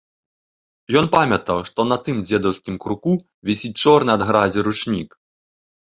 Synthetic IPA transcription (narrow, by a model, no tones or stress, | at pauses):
jɔnpamʲɐt̪ɐwʂt̪ɔnɐt̪ɨmd͡zʲɛd̪ɐwsʲkʲimkɾuku | vʲisʲit͡ʂɔrnɨɐd̪ɣɾazʲiɾut͡ʂnʲik